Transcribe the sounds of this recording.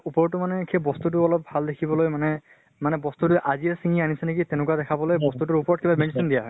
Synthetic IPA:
upɔɹɔtːʊmanɛkʰebɔst̪ut̬ʊɔlɔp̚bʱaldekʰibɔlojmanɛ | manɛbɔst̪utʊʔaziɛsiŋianisɛnek̬itɛnʊkuadɛkʰabɔlojbɔst̪ut̬ʊɹupɔɹɔt̚kibamensɔndijaɦɔ

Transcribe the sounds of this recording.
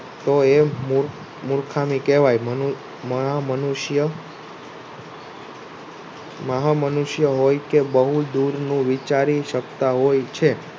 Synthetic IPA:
t̪oemuɾ | muɾkʰamikɛʋajmən | məɦamənuʃjə | məɦamənuʃjəɦojkebəɦud̪uɾnũʋit͡ʃaɾiʃəkt̪aɦojt͡ʃʰe

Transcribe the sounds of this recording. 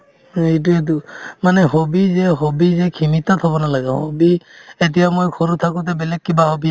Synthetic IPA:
et̬uet̬umanɛɦobizɛɦobizɛkʰimitatʰhɔbɔnalaɡã̰hobiet̬ijamojkʰɔnut̪ʰakut̬ɛbɛlɛkːibaɦobi

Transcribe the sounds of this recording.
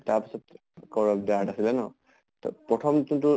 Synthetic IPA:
taɹpi̥sɔt | kɔɹɔbdaatasilɛnɔ | tɔ̰pɹɔtʰɔmtutʊ

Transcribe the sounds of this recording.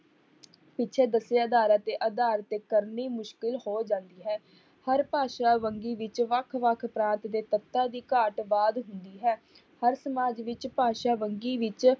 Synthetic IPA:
pɪtːt͡ʃʰeːd̪əseəd̪aːɾət̪eːʔəd̪aːɾət̪eːkəɾniːmʊʃkɪlhoːd͡ʒãːnd̪iːɦɛː | həɾpaːʃaːʋəŋɡiːʋɪt͡ʃʋəkʰʋəkʰpɾãːnt̪d̪eːt̪ət̪ːaːd̪iːkaːʈʋaːd̪ɦʊnd̪iːɦɛː | həɾsəmaːd͡ʒʋɪt͡ʃpaːʃaːʋəŋɡiːʋɪt͡ʃ

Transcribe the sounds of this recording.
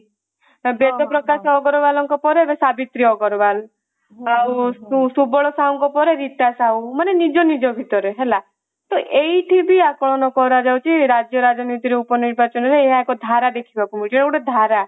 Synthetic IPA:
bet̪ɔpɾɔkasɔːɡɔɾɔbalɔŋkɔpɔɾeebesabit̪ɾiɔɡɔɾɔbal | awusubɔɭɔsaɔŋkɔpɔɾeɾit̪asawmanenid͡ʒɔnid͡ʒɔbʱit̪ɔɾeɦela | t̪ɔʔeiʈʰibiakɔɭɔnɔkɔɾad͡ʒawt͡ʃʰiɾad͡ʒjɔɾad͡ʒɔnit̪iɾeupɔniɾbat͡ʃɔnɔɾeːɦaekɔd̪ʱaɾad̪ekʰibakumiʈʰiekuʈed̪ʱaɾa

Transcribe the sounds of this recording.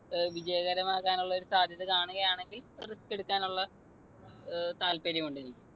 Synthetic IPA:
ʋid͡ʑɐjɐɣɐɾɐmaːkːaːnuɭːɐo̞ɾusaːd̪ʱjɐðɨkaːɳuɣɐjaːɳe̞ŋɡilriske̞ɽukːaːnuɭːɐ | t̪aːlpeɾimuɳɖenikʲːu̥

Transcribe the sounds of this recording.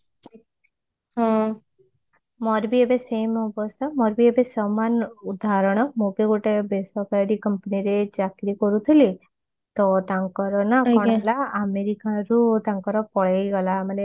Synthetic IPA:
ɦɔ̃ | mɔɾbiebesejmɔbɔst̪ʰamɔɾbiebesɔmanud̪ʱaɾɔɽ̃ɔmukeɡoʈebesɔkaɾɖikəmpniɾed͡ʒakɾikɔɾut̪ʰili | t̪ɔt̪aŋkɔɾɔnakɔɽ̃laameɾikaɾut̪ãŋkɔɾɔpɔɭejɡɔlaməne

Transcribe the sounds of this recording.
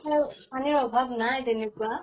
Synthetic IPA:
aɹusaniɹɔbʱabnajtenekua

